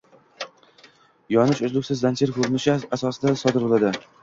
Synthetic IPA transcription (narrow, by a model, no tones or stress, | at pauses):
jɒnɪʃʊzlˠʊkʲsɪzlant͡ʃʰɪɾkʰɵɾɪnɪʃɪasɒsɪd̪asɒd̪ɪɾbolˠad̪ɪ